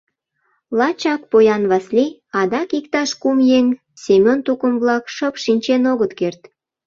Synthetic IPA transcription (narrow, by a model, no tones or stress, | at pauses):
lɑt͡ɕɑk̚pojɑnβɑsli | ɑd̪ɑkikt̪ɑʃkumjeŋ | semʲont̪ukəmβlɑkʃəpʃinʲt͡ɕenoɣət̪kert̪